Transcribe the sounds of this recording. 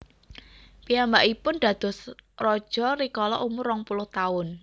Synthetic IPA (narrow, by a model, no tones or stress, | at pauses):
piambaʔipʊnd̪̥ä̤d̪̥ɔ̤srɔd̥ʒ̥ɔ̤ɾikɔlɔ̰ʔumʊrɔŋpulʊht̪aʊn